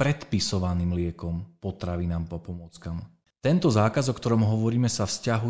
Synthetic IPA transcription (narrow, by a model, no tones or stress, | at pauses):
pɾɛt̪pisɔʋaniːmlɪɛkɔmpɔt̪ɾaʋinaːmapɔmɔt͡skam | t̪ɛnt̪ɔzaːkazɔkt̪ɔɾɔmɦɔʋɔɾiːmɛsafscaɦu